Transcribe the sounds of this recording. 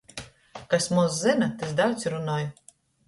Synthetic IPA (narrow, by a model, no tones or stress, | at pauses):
kasʲmɔzzɨnɐt̪ɨzd̪aw̪sʲɾunɔj